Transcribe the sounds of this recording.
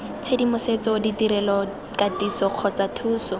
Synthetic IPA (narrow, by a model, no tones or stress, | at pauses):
t͡sʰedimʊset͡sɔʊditiɾɛlɔ | katisɔq͡χʰɔt͡satʰuːsɔ